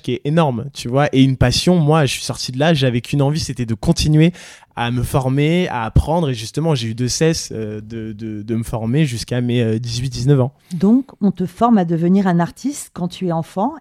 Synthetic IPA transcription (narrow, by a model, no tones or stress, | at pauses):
kʲiɛenɔʁmt̪ʰyvwaʔeynpasjɔ̃mwaʒəsɥi̥sɔʁt̪ʰid̪əlaʒavɛkʲʰynɑ̃viset̪ɛd̪əkɔ̃t̪inɥe | aməfɔʁmea̰ːpχɑ̃d̪ʁeʒyst̪əmɑ̃ʒeyd̪əsɛsød̪əd̪əd̪əməfɔʁmeʒyskameød̪izɥit̪̚d̪iznəvɑ̃ | d̪ɔ̃kɔ̃t̪əfɔʁmad̪əvəniʁɛ̃naʁt̪ʰist̪kɑ̃t̪ʰyɛɑ̃fɑ̃